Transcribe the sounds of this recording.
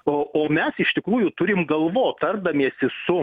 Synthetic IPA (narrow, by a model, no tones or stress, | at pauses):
ooːmʲɛsɪʃt̪ʲɪkɾuːjʊt̪ʊɾʲɪmɡɐlˠʋoːtt̪ɐrbd̪ɐmʲiɛsʲɪsʊ